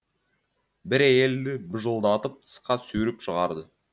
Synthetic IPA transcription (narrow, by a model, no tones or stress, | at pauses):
bɪɾæje̞ld̪ɪbəʒəlˠd̪ɑt̪əp̚t̪ʰə̥sqɑsɵɾɪpʃəʁɑɾd̪ə